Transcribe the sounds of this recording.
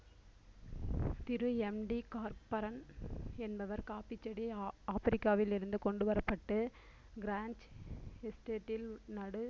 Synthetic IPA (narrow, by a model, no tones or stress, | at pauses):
t̪ɪɾɯɛmɖikaːɾpɐɾɐnɛnbɐʋɐɾkaːpɪt͡ʃːɐɽiaːfɐɾɪkːaːʋɪlɪɾɯnd̪ɯkɔɳɖɯʋɐɾɐpːɐʈːɯ | ɡɪɾaːnt͡ʃɛsʈeːʈːɪlnɐɽɯ